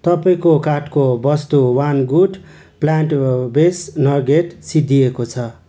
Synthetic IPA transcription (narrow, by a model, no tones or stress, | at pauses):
t̪ʌpaĩkokaʈkobʌst̪uwanɡuʈ | plaɳʈbesnʌrɡeʈsid̪ʱːijekot͡sʰʌ